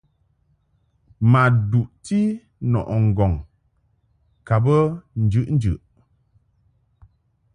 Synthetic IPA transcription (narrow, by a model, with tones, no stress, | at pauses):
ma˨du˨ʔti˦ | nɔ̰˨ʔɔ˨ŋ̩˨ɡɔ˨ŋ | ka˨bə˦n̩˨d͡ʒʉ˦ʔn̩˦d͡ʒʉ̰˨ʔ